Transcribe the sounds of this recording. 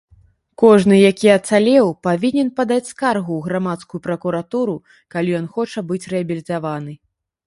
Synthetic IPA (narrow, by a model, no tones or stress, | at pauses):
kɔʐnɨjakʲiɐt̪salʲɛwpavʲinʲɛnpad̪at͡sʲskarɣuːɣɾamat̪skujupɾɐkuɾat̪uɾu | kalʲijɔnxɔt͡ʂɐbɨt͡sʲrɛɐbʲilʲit̪avanɨ